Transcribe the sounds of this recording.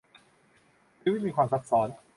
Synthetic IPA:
t̪ʰːmi˥˩miː˧kʰwaː˧msa˦˥t̪̚sɔː˩˦n

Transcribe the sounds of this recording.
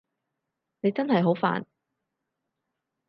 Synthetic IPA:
ne˨˧jt͡sɐ˥nhɐ˨jɦo˨˥wfa̰ː˨n

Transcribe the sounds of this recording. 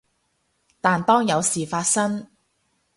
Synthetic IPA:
t̪aː˨nt̪ɔː˥ŋjɐ˨˧wsiː˨˩faː˧t̚sɐ˥ŋ

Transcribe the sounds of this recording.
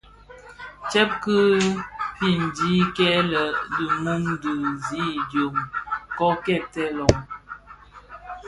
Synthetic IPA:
t͡ʃɛ˦p̚kɨ˦pi˨n̩˨di˦kɛ˦lə˨dɨ˨mu˦ŋdə˨zi˦djo˨mkɔ˦kɛ˦˨tɛ˦lɔ˨ŋ

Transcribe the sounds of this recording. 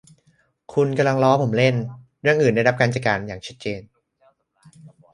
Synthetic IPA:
kʰu˧nka˧mla˧ŋlɔː˦˥pʰo˩˦mle˥˩n | ɾɯ˥˩əŋʔɯː˨˩nda˥˩jɾa˦˥p̚kaː˧nt͡ɕa˨˩kaː˧njaː˨˩ŋt͡ɕʰa˦˥t̪̚t͡ɕeː˧n

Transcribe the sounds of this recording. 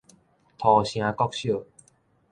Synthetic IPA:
t̪ʰɔ˨˩ɕj̃ã˧kɔ˦˧k̚ɕjo˥˨

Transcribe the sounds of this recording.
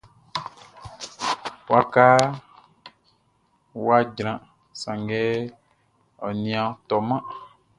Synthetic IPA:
wo˦a˦ka˦ | wo˦a˦d͡ʒɾã˨ | sã˨ŋɡɛ˦ | ɔ˨nĩ˨˦ã˨˦t̪ɔ˨mã˦

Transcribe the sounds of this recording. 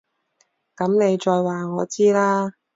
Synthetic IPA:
kɐ˨˥mne˨˧jt͡ʃɔː˧jwaː˨ŋɔː˨˧t͡siː˥laː˥

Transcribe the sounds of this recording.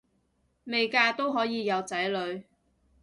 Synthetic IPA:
me˨jkaː˧t̪o˥wɦɔː˨˥jiː˨˧jɐ˨˧wt͡sɐ˨˥jlɵ˨˧ɥ

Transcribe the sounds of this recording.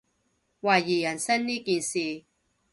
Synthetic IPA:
waː˧˩ji˨˩jɐ˨˩nsɐ˥nːiː˦˥ki˧˨nsi˨

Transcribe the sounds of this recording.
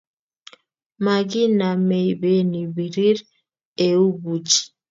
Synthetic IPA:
ma˨ɡi˦na˨me˨jbe˦ni˨bi˨ɾi˦ɾ | e˨u˦bu˨t͡ʃi̥˨

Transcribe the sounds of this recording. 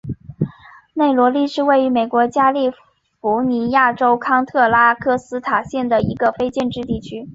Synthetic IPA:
ne˥˩ɪlwɔ˧˥li˥˧ʂɻ̩˥˧we˥˩ɪy˧˥me˨˩ɪkwɔ˧˥t͡ɕja˥li˥˩ | fu˧˥ni˧˥ja˥˩ʈ͡ʂo˥ʊkʰɑ˥ŋt̪ʰɤ˥˩la˥kʰɤ˥˩sɹ̩˥t̪ʰa˨˩ɕjɛ˥˩nd̪ə˩i˧˥ɡə˧fe˥ɪt͡ɕjɛ˥˧nʈ͡ʂɻ̩˥˧t̪i˥˩t͡ɕʰy˥

